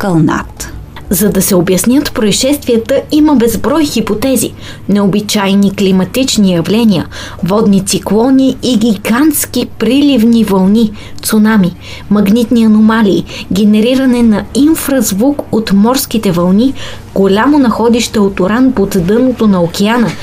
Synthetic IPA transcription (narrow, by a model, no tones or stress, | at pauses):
kɐlˠna̰t̪ | zɐd̪ɐsɛobjɐsnʲət̪pɾoiʃɛst̪viət̪əiməbɛzbɾɔjxipot̪ɛzḭ | nɛobit͡ʃajniklimɐt̪it͡ʃnijɐvlʲɛniə̰ | vɔd̪nit̪siklˠɔniːɡʲiɡant̪sk̟ʲipɾilivnivɐlˠni | t̪sonami | mɐɡnit̪niɐnomalʲiːɡʲɛnɛɾiɾɐnɛnɐiɱfɾɐzvukot̪mɔɾskʲit̪ɛvɐlˠni | ɡ̥olʲamonɐxɔd̪iʃt̪ɛot̪oɾanpot̪d̪ɤnot̪onɐokʲɛanə